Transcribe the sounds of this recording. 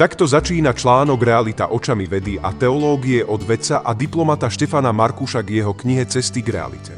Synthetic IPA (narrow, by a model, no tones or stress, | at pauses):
t̪akt̪ɔzat͡ʃiːnat͡ʃlaːnɔɡɾɛalit̪a̰ʔɔt͡ʃamiʋɛd̪ia̰t̪ɛɔlɔːɡiɛʔɔd̪ʋɛt͡saʔad̪iplɔmat̪aʃcɛfanamaɾkuʃaɡjɛɦɔkɲiɦɛt͡sɛst̪iɡɾɛ̰a̰lḭcɛ̰